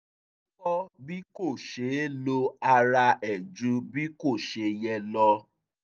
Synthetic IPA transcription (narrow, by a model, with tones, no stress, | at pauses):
kɔ˦bi˦ko˦˨ʃe˨˦lo˧a˧ɾa˧ɛ˨d͡ʒũ˧˦bi˦ko˦˨ʃe˧jɛ˧lɔ˧